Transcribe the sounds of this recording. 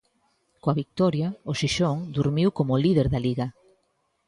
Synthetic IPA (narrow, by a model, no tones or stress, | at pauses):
koaβik̚t̪ɔɾjaoʃiʃoŋd̪uɾmiwkomʊliðeɾðaliɣa